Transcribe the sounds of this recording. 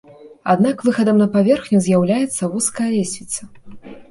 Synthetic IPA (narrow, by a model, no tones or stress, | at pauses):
a̰d̪nakvɨxɐd̪ɐmnɐpavʲɛrxnʲuzʲjawlʲajɛt̪sːɐvuskɐjɐlʲesʲvʲit̪sɐ